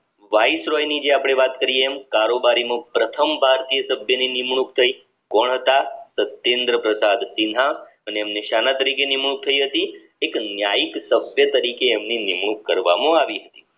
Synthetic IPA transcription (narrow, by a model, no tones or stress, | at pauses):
ʋaisɾɔjnid͡ʒeapɽ̃eʋat̪kəɾieːmkaɾobaɾimə̃pɾət̪ʰəmbʱaɾt̪ijəsəbʱjəninimɳ̃ukt̪ʰəi | kɔɳɦət̪asət̪ːend̪ɾəpɾəsad̪sinɦa | əneːmneʃanat̪əɾikenimɳ̃uk̚t̪ʰəiɦət̪i | eknjajiksəbʱjət̪əɾikeːmninimɳ̃ukːəɾʋa̰mãaʋiɦət̪i̥